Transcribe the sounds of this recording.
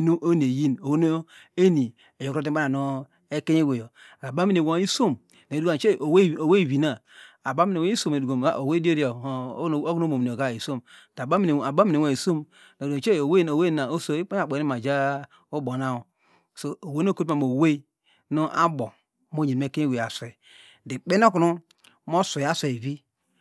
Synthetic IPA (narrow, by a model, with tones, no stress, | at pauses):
no˦o˦n˨e˨ji˦no˨wo˦no˦ | e˦ni˨ | e˨jo˨ko˦t̬a˦na˨no˦ | e˦ke˦e˦ɡe˨jo˨a˨ba˦mi˦ne˨wo˨˦i˦so˦m | n˨du˦ɡt͡ʃe˦o˨wo˨we˦i˨wi˨na˨ | a˨ba˦mi˦ne˨wi˦so˨me˨du˨ɡo˨m˨a˦˨o˨we˦di˦e˦ɾo˨˦˨o˦ɡno˦mo˨mi˨n˨o˨ɡa˦i˨so˦˨m˨ | ta˨ba˦mi˦n˨a˨ba˦mi˦˨e˨wi˨so˦m | no˨o˨t͡ʃe˦˨o˨we˦o˨we˦˨na˨o˦so˨i˦k͡pe˦a˨k͡pe˨˦i˦ma˨d͡ʒa˦ | o˦bo˨na˦u˨ | so˨o˨we˦o˦˨ko˦a˨mo˨we˦ | no˦ʔa̰˦bo˨˦ | mo˦ɲe˨me˦˨ke˦i˦we˨ja˨sʷe˨ | di˨k͡pe˦n˦o˦ku˨nu˦ | mo˦so˨a˦se˨vi˦